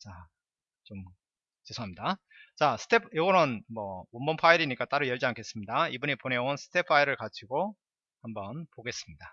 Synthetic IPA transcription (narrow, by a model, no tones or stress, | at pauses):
t͡ɕa | t͡ɕom | t͡ɕesʰoɦamɲida | t͡ɕasʰɯ̥tʰe̞pʰjoɡʌɾɯnmʌwombʌnpʰaiɾiɲik͈at͈aɾɯjʌɭd͡ʑiankʰe̞s͈ɯmɲidaibuɲiponeonsʰɯ̥tʰe̞pʰaiɾɯɭkat͡ɕʰiɡo | hambʌnpoɡe̞s͈ɯmɲida